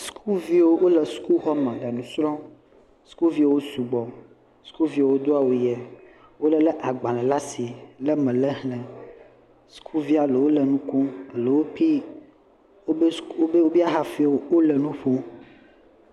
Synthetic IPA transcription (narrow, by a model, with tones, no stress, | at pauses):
skʰu˦vi˦wo˦wo˦lə˨su̥˦ku˦ɦɔ˦mɛ̃˨lə˨nũ˨sɾɔ̃˦ | su̥˦ku˦lvi˦wo˦wo˦su˨ɡ͡bɔ˨ | su̥˦ku˦vi˦wo˨wo˦d̪o˦a˨wo˨jɛ˨ | wo˦lə˦lə˦ʔa˨ɡ͡bã˨lɛ̃˨la˦si˨lə˦mɛ̃˨lə˦ɦnɛ̃˨ | su̥˦kʰu˦vi˦a˨lə˨wo˦lə˨nũ˦ku˦ə˨lə˨wo˦pi˦ | o˦bo˦wo˦bi˦a˦ɦa˨fi˦˨wo˦wo˦lə˨nũ˦ɸo˦